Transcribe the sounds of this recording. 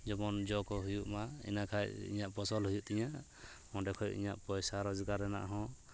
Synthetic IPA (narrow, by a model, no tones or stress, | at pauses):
d͡ʒɔbɔnd͡ʒɔkɔɦujuʔmaḭnakʰajḭɲaʔpɔsɔlhujuʔt̪ɛɲa | mɔ̃ɖɛkʰɔjṵʔḭɲa̰ʔpɔjsaɾɔd͡ʒiɡaɾɛna̰ʔɦɔ̃